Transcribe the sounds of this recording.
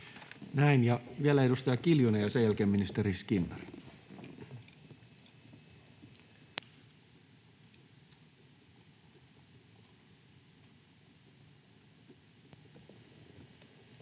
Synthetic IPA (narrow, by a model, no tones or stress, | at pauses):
næinjɑʋiælæedust̪ɑjɑkiljunejɑsejælkeːmːinist̪eɾiskinːɑ̰ri̥